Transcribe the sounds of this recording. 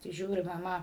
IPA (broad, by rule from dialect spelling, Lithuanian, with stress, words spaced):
tɐɪ ˈʒʲuːrʲɪ mɐˈmɐ